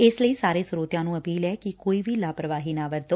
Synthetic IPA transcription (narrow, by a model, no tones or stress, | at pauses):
esləiːsaːɾeːsʊɾoːt̪jãːnũːəpiːlɛːkɪkoːiːʋiːlaːpɾəʋaːɦiːnaːʋəɾt̪oː